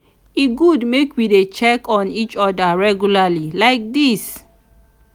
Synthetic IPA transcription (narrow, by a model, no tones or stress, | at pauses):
iɡudmekwidet͡ʃɛkɔ̃nit͡ʃɔdəɹɛɡjulalilaɪk̚dis